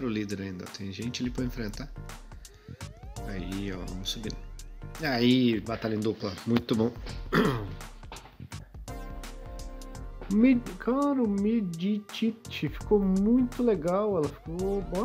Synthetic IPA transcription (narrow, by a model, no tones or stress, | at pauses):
ɾʊlid̪eɾaĩnd̪ɐ̰t̪ʰẽj̃ʒẽnt͡ʃɪalipɾɐẽfɾẽnt̪a | aiɛvɐ̰̃mʊsubḭ̃n | aibat̪alĩd̪uplɐmũj̃t̪ʊbõw̃ | mkʰãɾʊmɪd͡ʒit͡ʃiɪfi̥komũj̃t̪ʊleɡawɛlɐfi̥koba